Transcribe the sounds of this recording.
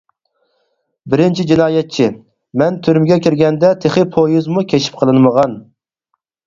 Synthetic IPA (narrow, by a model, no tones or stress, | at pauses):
bɪɾɪnt͡ʃʰid͡ʒinɑːjɛt̪̚t͡ʃʰi | mɛnt̪ʰyɾmɪɡʲɛkʲʰiɾɡʲɛnd̪ɛt̪ʰeχɨpʰojuzmukʲʰet͡ʃʰi̥p̚qʰəlˠɨnɨməʁɑn